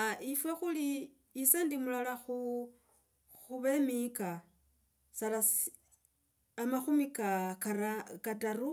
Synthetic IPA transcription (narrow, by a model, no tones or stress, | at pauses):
aifwexuliː | sandimulalaxu | xuβemika | salas | amaxumikakarakataru